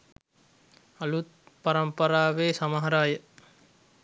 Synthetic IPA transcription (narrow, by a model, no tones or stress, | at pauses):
ɐlut̪̚paɾɐmpɐɾaːʋeːsɐmaɦɐɾaːjə